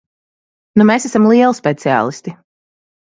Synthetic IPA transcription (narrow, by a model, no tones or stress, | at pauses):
numeːsæsamlˠiɛlˠspʲɛt̪sia̰ːlˠist̪i